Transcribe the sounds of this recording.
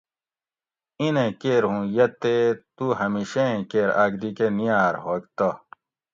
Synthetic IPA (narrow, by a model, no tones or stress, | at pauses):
inẽkeːɾɦũjɐt̪et̪uɦɐmiːɕeẽkeːɾa̰ɡd̪ikenijaːɾɦoːk̚t̪o